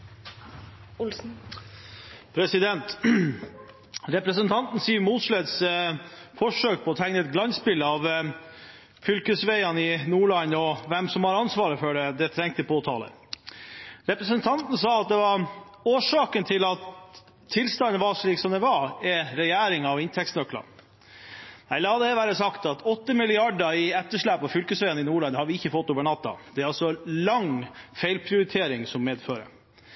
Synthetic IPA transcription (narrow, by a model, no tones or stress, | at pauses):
ʊ | pʰɾɛsɪd̪ɛnt̪ | ɾɛpɾəsənt̪ʰɑnt̪n̩siːmuːt̪ʂlɛd̪s | fɔʂøːk̚pʰɔɔt̪ʰæŋnəɛt̪̚ɡlɑnspɪləɑʋ | fʏlkəsʋæɪɑnɪnuːɭɑnːɔʋɛmsɔmhɑɾɑnsʋɑːɾəfɔɖɛd̪ɛt̪ʰɾɛŋk̚t̪əpʰoːt̪ʰɑ̰ːlə̰ | ɾɛpɾəsənt̪ʰɑnt̪n̩sɑːɑt̪̚d̪ɛʋɑɾ | oːʂɑːkənt̪ʰɪlɑt̪ʰː | ɪlst̪ɑnːəʋɑʂɭiːksɔmd̪ɛʋɑɾɛɾɛjæːɾɪŋɑʋɪnt̪ʰɛksnœklɑ̰ | ɛlːəhɑd̪əæʋæːɾəsɑkt̪ɑt̪ʰɔt̪ːəmɪlɪɑɖəɪɛt̪ːəʂɭæːpɔfʏlkəsʋeːənɪnuːɭɑnhɑɾʋɪɪçːəfɔt̪ːoːʋəɳɑt̪ːɑ̰d̪̥ɛæɾɑlsɔlɑŋfæɪlpʰɾɪʊɾɪt̪ʰeːɾɪŋsɔmːeːd̪føːɾə̰